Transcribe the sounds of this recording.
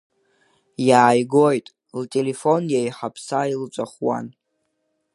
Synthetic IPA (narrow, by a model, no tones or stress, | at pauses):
jaːjɡo̞jtʼ | ltʼelefonjajħapʰsailt͡sʷʼaχwa̰n